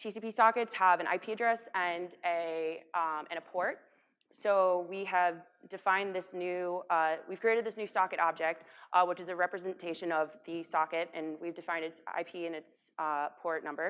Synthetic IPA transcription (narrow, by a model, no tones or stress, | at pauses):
tʰisipisɑkɨtshəvɨ̃ñʔa̰ɪpʰiɨdɹɛsɨ̃nɨ | ʔɨ̃ɨpʰɔɹt̚ | soʊwiɨv | d̥ɨfãɪ̃nðɪsnʉʌwiv̥kɹ̥ieɪɾɨd̪̚ðɪsnʉsɑkɨɾʔɑb̚d͡ʒɛk̚t̚ʔwət͡ʃɨzɨɹɛpɹɨzɨ̃ntʰeɪʃɨ̃nʌvðɨsɑkɨɾɨ̃nwivdɨfãɪ̃ndɨtsa̰ɪpʰiɨ̃nɨts | ʌpʰɔɹtⁿnʌ̃mbə˞